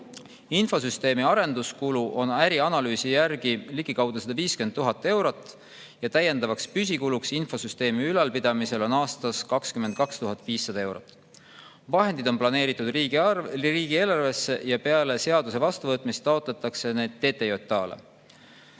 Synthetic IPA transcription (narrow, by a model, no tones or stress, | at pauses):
info̞s̬yst̪e̞ːmiɑɾe̞nd̪̥uskuluʔo̞næɾiɑnɑlyːsijærɡ̥iliɡ̥ikɑwd̪̥usɑd̪ɑviːskyenːuɦɑt̪ːˑe̞wɾo̞t̪ːˑ | jɑt̪æje̞nd̪ɑvɑkspys̬ʲikuluksinfo̞syst̪e̞ːmiylɑlpid̪̥ɑmise̞lo̞nɑːst̪ɑskɑkskymːend̪̥̚kɑkst̪uɦɑt̪ːˑviːsːɑd̪ɑe̞wɾo̰t̪ːˑ | vɑɦe̞nd̪id̪o̞nplɑne̞ːɾit̪ːˑud̪̥ | riːɡ̥ie̞ːlɑrve̞sːe̞jɑpe̞ɑle̞se̞ɑd̪use̞vɑst̪uvɤt̪ːˑmist̪ːˑɑo̞t̪ˑle̞t̪ːˑɑkse̞ne̞ːd̪̥ːe̞ːt̪ːˑe̞jo̞t̪ːˑɑːlḛ